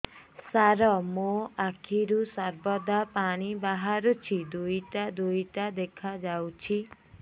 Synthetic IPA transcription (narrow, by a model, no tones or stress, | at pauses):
saɾɔmoakʰiɾusɔɾbɔd̪apaɽ̃ibaɦaɾut͡ʃʰid̪ujʈad̪ujʈad̪ekʰad͡ʒawt͡ʃʰi